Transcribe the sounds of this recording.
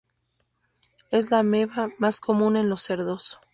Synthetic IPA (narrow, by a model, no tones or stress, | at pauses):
e̞zlame̞βamasko̞mũne̞nlo̞seɾðo̞so̥